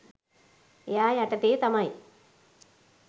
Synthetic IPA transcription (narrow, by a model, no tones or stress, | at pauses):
jaːjaʈːɐt̪ːet̪ɐmaj